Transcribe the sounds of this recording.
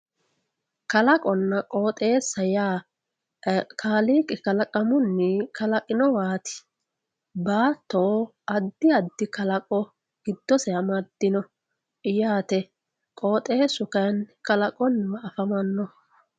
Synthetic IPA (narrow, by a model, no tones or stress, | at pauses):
kɐlɐkʼɔnːɐkʼo̞ːt̪ʼe̞ːsɐjaː | kʰaːliːkʼɪkɐlɐkʼɐmʊnːɪkɐlɐkʼɪnɔwaːt̪ɪ̥ | baːt̪ːoːʔɐd̪ːɪɐd̪ːɪkɐlɐkʼɔ | ɡ̥ɪd̪̥ːɔsɛɐmɐd̪̥ːɪnɔ | ɪjaːt̪ɛ | kʼo̞ːt̪ʼe̞ːsʊkɐnkɐlɐkʼɔnːmɐːfɐmɐnːɔ